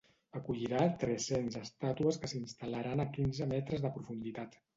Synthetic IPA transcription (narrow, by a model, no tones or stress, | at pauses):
əkuʎiɾat̪ɾɛsenzəst̪at̪uəskəsinst̪aləɾanəkinzəmɛt̪ɾəzðəpɾufund̪it̪at̪